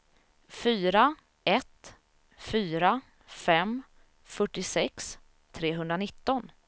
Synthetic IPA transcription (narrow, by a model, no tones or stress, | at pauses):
fyːɾa | ɛt̪ | fyːɾa | fɛm | fœʈːɪsɛks | t̪ʰɾeːɦɵnd̪ɾanɪt̪ːɔn